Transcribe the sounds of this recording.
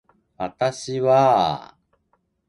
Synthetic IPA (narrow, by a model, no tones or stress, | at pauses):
βat̪aɕiβa